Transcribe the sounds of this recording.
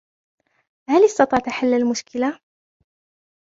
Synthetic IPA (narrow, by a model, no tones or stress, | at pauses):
halɪst̪ɑt̪ˤɑːʕt̪aħalːalmʊʃkɪla